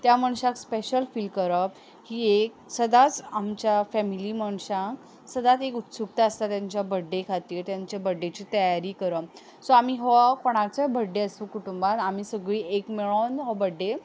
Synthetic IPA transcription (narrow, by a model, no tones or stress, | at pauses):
t̪jaməɳ̃ɕãkspeɕəlfiːlɖkəɾə | hiːek̚ | səd̪at͡samt͡ɕjafɛmiliːməɳ̃ɕãk | səd̪at͡sekut̪suk̚t̪aəst̪at̪jaɲt͡ɕjabəɖːekʰat̪iːɾt̪jaɲt͡ɕjabəɖːet͡ɕiːt̪əjaɾiːkəɾə | sɔam̤iɦɔkoɽ̃aɾt͡səbʱəɖːeəsukuʈumbanam̤iːsəɡɭiːekmeɭonɦɔbəɖːe